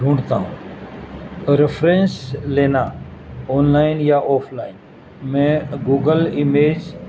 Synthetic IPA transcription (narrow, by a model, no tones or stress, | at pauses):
ɖʱũːɳɖt̪aːɦṵ̃ː | ɾɪfɾẽːnsleːnaːoːnlaːɪnjaʔoːpʰlaːɪn | mɛ̃ːɡuːɡəlɪmeːd͡ʒ